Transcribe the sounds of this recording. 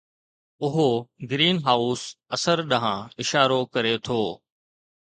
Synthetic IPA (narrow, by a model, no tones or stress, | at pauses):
ʊɦoɡɾiːnɦaːʊsɐsəɾɗɐɦãɪʃaːɾokɐɾet̪ʰoː